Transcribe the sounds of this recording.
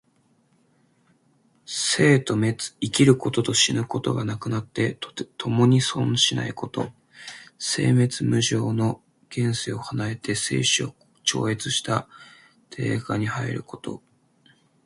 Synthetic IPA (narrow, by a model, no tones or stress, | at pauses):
se̞ːt̪o̞met͡sɨ̥ikʲiɾɯ̟ko̞t̪o̞t̪o̞ɕinɯ̟ko̞t̪o̞̰ɡanakɯ̟nat̪ːe̞t̪ʰo̞mo̞ɲ̟isõ̞ɰ̃ɕina̰iko̞t̪o̞̰ | se̞̰ːme̞t͡sɨmɯ̟ʑo̞ːno̞ | ɡ̥ẽ̞ɰ̃seo̞hanae̞t̪e̞se̞̰ːɕio | t͡ɕo̞̰ːe̞t͡sɨɕi̥t̪a | t̪ʰe̞̰ːɡaɲ̟ihaḭɾɯ̟ko̞̥t̪o̞̰